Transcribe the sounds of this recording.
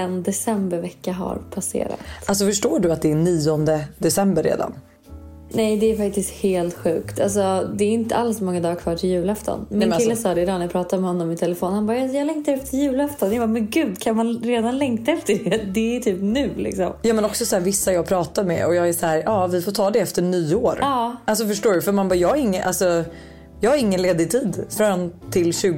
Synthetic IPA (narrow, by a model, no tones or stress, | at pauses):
ɛnd̪ɛsɛmbəɾvɛkːaɦa̰ɾpʰasḛːɾa̰t̪als̬ɔfœʂʈoːɖɵat̪̚d̪ɛːniːɔnd̪əd̪ɛsɛmbəɾːḛːd̪a̰n | nɛjd̪ɛːɾfak̚t̪ɪst̪heːlt̪ɧʉ̟̰ːkt̪ʰals̬ɔd̪ɛːɾɪnt̪ə̰alsɔmɔŋːad̪ɑːɡkʰvɑːʈʰɪljʉ̟ːlɛft̪ʰɔ̰nmɪnkɪllːəsɑːd̪ɛɪd̪ɑːnajapʰɾɑːt̪ad̪mɛhɔnːɔmɪt̪ʰɛlɛfoːnhanbɑːjajɑːɡlɛŋkt̪aɾɛft̪ʰəljʉ̟ːlɛft̪ɔnjɑbamɛnɡʉ̟ːd̪kʰanmanɾeːd̪anlɛŋkt̪aɛft̪əɖɛd̪ɛæʈ̪ʰyːpnʉ̟ːlɪ̰ksɔ̰mjɑːmɛnɔksɔsaæːɾvɪsːajɑːɡpʰɾɑːt̪aɾmɛ̰ɔjɑːɡæʂɔhæːɾʔɑːvɪfɔt̪ʰɑːd̪ɛɛft̪əɳyːoːɾɑːals̬ɔfœʂʈoːɖɵfœɾmanbɑjɑːaɾɪŋːəʔa̰lsɔ | jɑːhaɾɪŋːənleːd̪ɪt̪ʰiːd̪fɾɔnt̪ʰɪlɕʉ̟ːɡ